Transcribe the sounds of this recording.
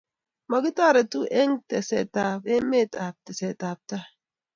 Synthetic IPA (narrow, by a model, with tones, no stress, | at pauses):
ma˨ɡi˦ta˦˨ɾe˨tu˦ʔe˦ŋ˦tḛ˨sḛ˨ta˨pe˦me˦˨ta˨p̚te˨se˨ta˨p̚ta˦